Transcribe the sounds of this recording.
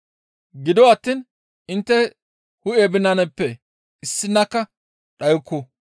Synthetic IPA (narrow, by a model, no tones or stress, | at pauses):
ɡɪd̪ɔwɐt̪ːiːn | ɪnt̪ːɛ | hʊebɪnɐnɛpːɛ | ɪsːɪnːɐkːɐ | ɗɐjkːʊ